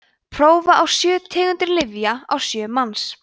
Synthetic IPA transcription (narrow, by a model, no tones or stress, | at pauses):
pʰɾoːwvaʔawsjœːt̪ʰɛːɣʏnt̪ɪɾlɪvjaa̰wsjœːmans